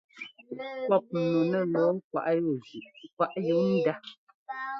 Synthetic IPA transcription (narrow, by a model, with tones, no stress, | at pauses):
kɔ˦˨p̚nu˨nə˦˨lɔ˨˦kwa̰˨ʔjo˦˨zi˨ʔpa˦ʔji˦ŋn̩˦da˦